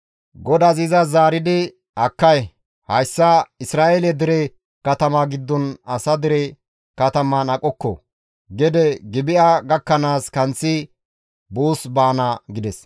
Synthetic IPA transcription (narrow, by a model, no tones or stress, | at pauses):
ɡɔd̪ɐzɪzɐzaːɾɪd̪ɪ | ɐkːɐj | hɐjsːɐɪsɾaːʔɛlɛd̪ɪɾɛ | kɐt̪ɐmaɡɪd̪ːɔnɐsɐd̪ɪɾɛ | kɐt̪ɐmɐnɐkʼɔkːɔ̰ | ɡɛd̪ɛɡɪbɪʔaɡɐkːɐnaːskɐnt͡sːɪ | buːsbaːnɐɡɪd̪ɛs